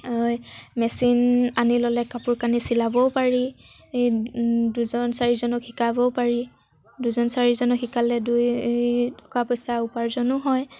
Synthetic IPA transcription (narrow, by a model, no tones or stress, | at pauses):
ɔjmɛsinanilɔlɛkapuɹkanisilabɔpaɹi | duzɔnsaɹizɔnɔkhikabɔpaɹi | duzɔnsaɹizɔnɔkhikalɛdujtɔ̥kapɔjsaupaɹzɔnʊɦɔj